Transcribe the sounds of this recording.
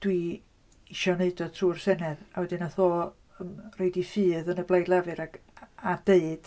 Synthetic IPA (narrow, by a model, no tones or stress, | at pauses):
d̥wi | iʃɔneɨdɔd̚tʰruːr̥sɛnɛðawɛdɨnaθoː | əmreɨdifɨːðənəblˠajdlˠavɨɾaɡ | adeɨd̥